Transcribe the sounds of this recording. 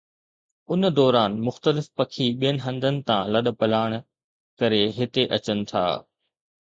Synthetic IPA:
ʊnd̪ɔːɾaːnmʊxt̪əlɪfpɐkʰiɓijənɦɐ̃nd̪ʱənɪ̆t̪ãlɐɗ̆pɐlaːɽ̃ | kɐɾeɦɪt̪eʔɐt͡ɕənɪ̆t̪ʰa̰ː

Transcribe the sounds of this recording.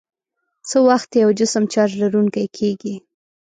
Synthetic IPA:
t͡səwaxt̪jawd͡ʒɪsəmt͡ʃɑd͡ʒlaɾuŋkajkʰeɡi

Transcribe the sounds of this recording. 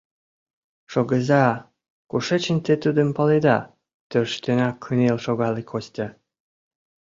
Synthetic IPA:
ʃoɣə̆zɑ | kuʃet͡ɕənʲt̪et̪ud̪ə̆mpɑled̪ɑ | t̪ørʃt̪ønɑkʰənelʃoɣɑlekʰosʲt̪ʲɑ

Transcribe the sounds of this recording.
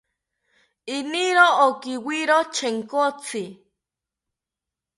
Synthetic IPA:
iniɾookiwiɾot͡ʃʰeŋkot͡sʰi

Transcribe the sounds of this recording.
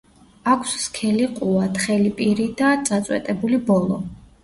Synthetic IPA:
akʰsskʰɛliqʼuat̪ʰχɛlipʼiɾid̪ad̪z̥at̪sʼwɛ̰t̪ʼɛbulibɔlˠɔ

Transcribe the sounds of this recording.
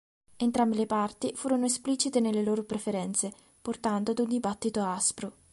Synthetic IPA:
ent̪ɾambilepart̪ifuːɾonoespliːt͡ʃit̪enelːeloːɾopɾefeɾɛnt̪se | port̪and̪oad̪und̪ibat̪ːit̪oaaspɾo

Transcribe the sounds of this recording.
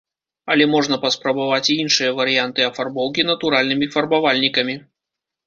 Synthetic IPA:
ɐlʲɛmɔʐnɐpɐspɾɐbavat͡sʲiinʂɨjɐvɐɾɨjant̪ɨɐfarbɔwkʲinɐt̪uɾalʲnɨmʲifɐrbavalʲnʲikɐmʲi

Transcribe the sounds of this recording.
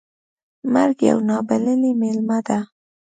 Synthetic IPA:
maɾɡja̰wnɑbalɪlimelmad̪a

